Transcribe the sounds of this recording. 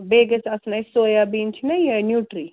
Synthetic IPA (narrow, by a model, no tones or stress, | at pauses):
beːɡesɐsnɐjsoːjabiːnt͡ʃʰinɐjenjuːʈɾiː